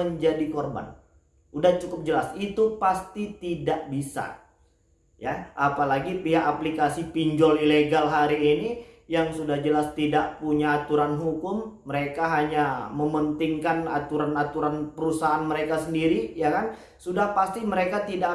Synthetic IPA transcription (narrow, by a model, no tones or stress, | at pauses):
əɲd͡ʒadikɔrba̰n | udaht͡ʃukʊp̚d͡ʒəlasit̪upast̪it̪idaʔbisa̰ | jaʔapalaɡipiɦaʔaplikasipiɲd͡ʒɔlileɡalɦaɾiːnijaŋsudahd͡ʒəlast̪idaʔpuɲaːt̪uɾanɦukʊmːəɾekaɦaɲaməmənt̪ɪŋkanat̪uɾanat̪uɾanpəɾusaːnməɾekasəndiɾijakan | sudahpast̪iməɾekat̪ida